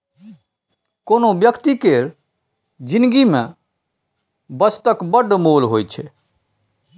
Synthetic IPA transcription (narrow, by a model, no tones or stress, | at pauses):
konobjəkt̪ikeɾ | d͡ʒinɡimẽ | bəst̪əkbəɖmolɦojt͡ʃʰɛ